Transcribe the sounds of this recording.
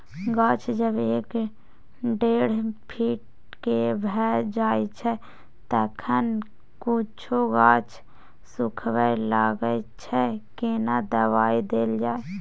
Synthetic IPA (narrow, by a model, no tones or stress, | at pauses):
ɡaːt͡ʃʰd͡ʒəbeːk | ɖeːɽ̤pʰiːʈ̚ | kebʱɛd͡ʒaːet͡ʃʰɛ | t̪əːkʰən | kut͡ʃʰoɡaːt͡ʃʰ | sʊkʰwəlaːɡət͡ʃʰɛkenad̪əwaːid̪eːld͡ʒaːe